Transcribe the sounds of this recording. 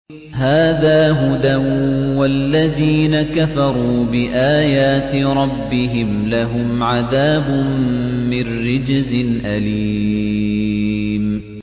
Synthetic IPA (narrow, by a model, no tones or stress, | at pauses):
haːðaːɦʊd̪awwalːaðiːnakafɑɾˤuːbɪʔaːjaːt̪ɪɾˤɑbːɪɦɪmlaɦʊmʕaðaːbʊː | ɪnːɪd͡ʒzɪnʔaliː | m